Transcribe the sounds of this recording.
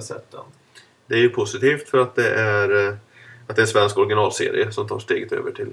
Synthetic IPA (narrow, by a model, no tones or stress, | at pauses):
sɛ̰t̪ʰːə̰ | d̪ɛæɾjɵpʰʊsɪt̪iːft̪fœɾat̪̚d̪ɛʔæɾ | at̪̚d̪ɛːsvɛnskɔɾɡɪnɑːlsḛːɾɪ̰əsɔmt̪ʰɑːʂʈeːɡət̪ø̰ːvəʈʰɪl